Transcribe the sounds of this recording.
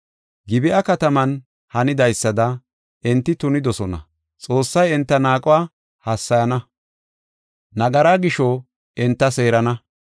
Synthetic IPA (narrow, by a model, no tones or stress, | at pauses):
ɡɪbɪʔɐkɐt̪ɐmɐn | hɐnɪd̪ɐjsːɐd̪ɐ | ʔɪnt̪ːɪt̪ʊnɪd̪ɔsɔnɐ̰ | t͡sʼo̞ːsːɐjɛnt̪ːɐnaːkʼʊwaː | hɐsːɐjɐnɐ | nɐɡɐɾaːɡɪʃo | ʔɪnt̪ːɐse̞ːɾɐnɐ